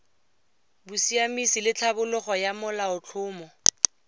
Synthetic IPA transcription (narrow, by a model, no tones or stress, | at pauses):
busiamisilɪt͡ɬʰabʊlʊχɔjamʊlaʊt͡ɬʰʊːmɔ